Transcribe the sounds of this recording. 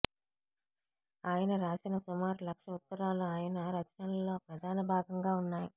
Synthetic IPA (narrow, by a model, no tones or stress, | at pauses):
aːjɐnɐɾaːsinɐsumaːɾulɐkʂɐut̪ːɐɾaːluaːjɐnɐɾɐt͡ʃɐnɐnlo̞ːpɾɐd̪ʱaːnɐbʱaːɡɐŋɡaːunːaːju